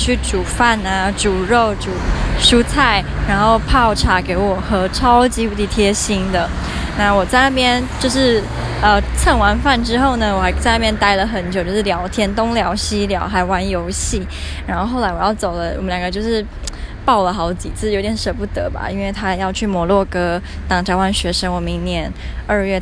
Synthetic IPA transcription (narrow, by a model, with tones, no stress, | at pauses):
t͡ɕʰy˥˩ʈ͡ʂu˨˩fa˥˩na˩ʈ͡ʂu˨˩ɻo˥˩ʊʈ͡ʂu˨˩ʂu˥t͡sʰa˥˩ɪɻa˧˥nxo˥˧ʊpʰɑ˥˩ʊʈ͡ʂʰa˨˥ke˧˥ɪwɔ˨˩xɤ˧˥ʈ͡ʂʰɑ˥ʊt͡ɕi˧˥pu˧˩t̪i˧˩t̪ʰjɛ˥ɕi˥ŋd̪ə˨ | na˥˩wɔ˨˩t͡sa˥˧ɪna˥˩pjɛ˥nt͡ɕjo˥˧ʊʂɻ̩˥˩ | ə˧t͡sʰə˥˩ŋwa˧˥nfa˥˩nʈ͡ʂɻ̩˥xo˥˩ʊnə˩wɔ˨˩xt͡sa˥˧ɪna˥˩pjɛ˥nt̪a˥ɪlə˨xə˨˩˦nt͡ɕo˨ʊt͡ɕjo˥˧ʊʂ̩˥˩ljɑ˧˥ʊt̪ʰjɛ˥nt̪ʊ˥ŋljɑ˧˥ʊɕi˥ljɑ̰˧˥ʊxa˧˥ɪwa˧˥njo˧˥ʊɕi˥˩ | ɻa˧˥nxo˥˧xo˥˩ʊla˧˥ɪwɔ˨˩jɑ˥˩ʊt͡so˨˩ʊlə˦wɔ̰˨mə˦ljɑ˨˩ŋɡə˦t͡ɕo˥˧ʊʂɻ̩˥˩ | pɑ˥˩ʊlə˩xɑ˧˥ʊt͡ɕi˨˩t͡sʰɨ˥˩jt̪jɛ˨˦nʂə˧˥pu˥˩t̪ə̰˧˥ba̰˨i˥nwe˥˩ɪt̪ʰa˥˧jɑ˥˧ʊt͡ɕʰy˥˩mwɔ˧˥lwɔ˥˩kɤ˥ | t̪ɑ˨˩ŋt͡ɕa˥wa˥˩nɕɥɛ˧˥ʂə˥ŋwɔ˨˩mi˧˥ŋnjɛ˧˥nə˞˥˧ɥɛ˥˩